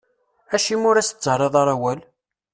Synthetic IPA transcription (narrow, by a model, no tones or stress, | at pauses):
æʃimʊɾæsə̥t͡sːəɾˤeðˤɑɾˤæwæl